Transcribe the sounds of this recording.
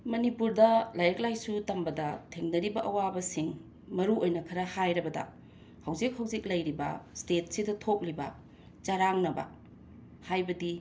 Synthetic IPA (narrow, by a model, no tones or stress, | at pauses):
mɐnipuɾdɐlajɾɐk̚lajsutɐmbɐdɐtʰeŋnɐɾibɐʔɐwabɐsiŋ | mɐɾuojnɐkʰɐɾɐhajɾɐbɐdɐ̰ | hɐwzik̚hɐwzik̚lɐjɾibɐ̰stet̚sidɐtʰok̚libɐ | t͡ʃaɾaŋnɐbɐ̰ | hajbɐdi